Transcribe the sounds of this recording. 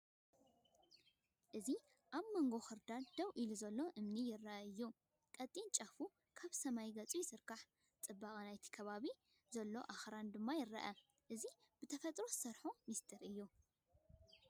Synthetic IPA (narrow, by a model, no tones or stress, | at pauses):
ʔɨzi | ʔaβmɐŋɡo̞xɨɾd̪ad̪ɐwʔiluzɐlːo̞ʔɨmnijɪɾːɐʔɐɨjːu | kʼɐt̪ʼːint͡ʃʼɐfu | kʰaβsɐmajɡɐt͡sʼujɪsɨɾkaħ | t͡sʼɨbːaχʼɐnajt̪ʰi̥kʰɐβaβi | zɐlːo̞ʔaxɾand̪ɨmːajɪɾːɐ̰ʔɐ | ʔɨzib̥ɨt̪ʰɐfɐt̪ʼɾo̞ɨ̥sɐɾħomist̪ʰɨɾɨjːu